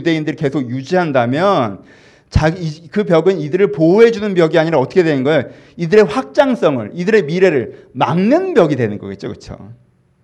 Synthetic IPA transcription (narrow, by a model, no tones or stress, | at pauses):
de̞indɯɾike̞sʰoɡjud͡ʑiɦandamjʌn | t͡ɕaɡkɯpjʌɡɯnidɯɾɯɭpoɦe̞d͡ʑunɯnbjʌɡiaɲiɾaʌt͈ʌkʰwenɯnɡʌjo | idɯɾe̞ɸwak̚t͡ɕ͈aŋs͈ʌŋɯ̰ɾidɯɾe̞miɾe̞ɾɯɭ | ma̰ŋnɯnbjʌɡidwe̞nɯnɡʌɡet̚t͡ɕ͈okɯt͡ɕʰo̰